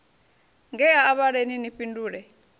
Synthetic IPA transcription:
ŋɡɛjaːβaɺeninipʼinduːɺɛ

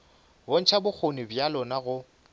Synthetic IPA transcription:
bon̩t͡ʃʰabʊk͡xʰonɪbjalɔnaɣʊ

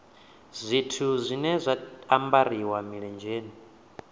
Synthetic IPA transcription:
zʷitʰuzʷinɛzʷaambaɾiwamiɺɛnd͡ʒeːni

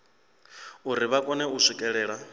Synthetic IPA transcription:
uɾiβakʼɔnɛuʂikʼɛɺɛːɺa

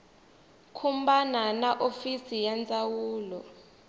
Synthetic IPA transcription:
kʰumbananaʔofisijant͡sʼawuːlɔ

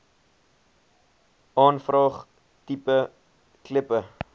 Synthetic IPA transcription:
ʔɑːnfrɑːχ | tipə | kləpə

